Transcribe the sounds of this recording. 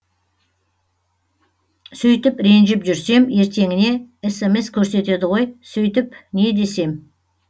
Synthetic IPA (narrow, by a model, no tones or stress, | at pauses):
sɵjt̪ɪpɾe̞nʒɪpʒʏɾse̞me̞ɾt̪ʰe̞ŋɪne̞eseme̞skʲʰɵɾse̞t̪e̞d̪ɪʁo̞jsʏjt̪ɪpne̞d̪e̞se̞m